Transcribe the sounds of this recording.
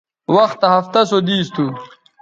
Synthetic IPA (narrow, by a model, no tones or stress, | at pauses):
wɐxt̪aɦɐft̪ɐsod̪iːst̪ʰu